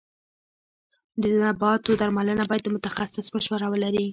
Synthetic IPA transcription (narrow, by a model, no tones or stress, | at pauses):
d̪ənabɑt̪od̪aɾmalənabɑjad̪ːəmʊt̪axasɪsməʃwaɾawəlaɾi